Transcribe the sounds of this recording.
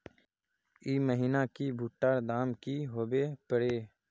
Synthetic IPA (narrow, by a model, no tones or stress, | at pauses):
iːməɦiːnakibʱuːʈːaːɾd̪aːmkiɦoːbeːpəɽeː